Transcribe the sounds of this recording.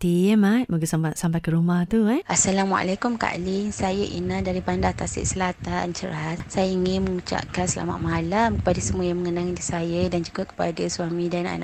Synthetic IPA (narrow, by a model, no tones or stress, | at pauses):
t̪imat̪̚bəɡasamasampajkəɾumaht̪uʔasalama̰ʔa̰lakumka̰ʔliŋsajəʔḭnadaɾipandaht̪asɪ̰ʔsəlat̪ant͡ʃəɾatsajaiŋɪnməŋut͡ʃa̰ʔkansəla̰ma̰ʔmalamkə̥padasəmuajaŋməŋənaŋidisajədand͡ʒuɡakə̥padasuamĩdana̰na̰ʔ